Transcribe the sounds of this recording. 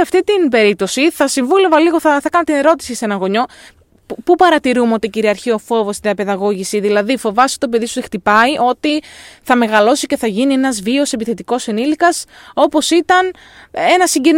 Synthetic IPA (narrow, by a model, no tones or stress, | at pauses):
eɐft̪it̪inbe̞ɾip̚t̪o̞siθɐsiɱvule̞vɐliɣo̞θɐθɐekɐnɐt̪ine̞ɾo̞t̪i̥sise̞nɐnɣo̞ɲo̞ | pupɐɾɐt̪iɾumeo̞t̪iciɾiɐɾçio̞fo̞vo̞st̪iðiɐpe̞ðɐɣo̞ʝisiðilɐðifo̞vɐst̪o̞pe̞ðisu̥t̪ext̪ipɐiʔo̞t̪iθɐme̞ɣɐlo̞sice̞θɐʝinie̞nɐzvio̞se̞piθe̞t̪iko̞senilikɐso̞po̞sit̪ɐn | e̞nɐsiɲɟe̞n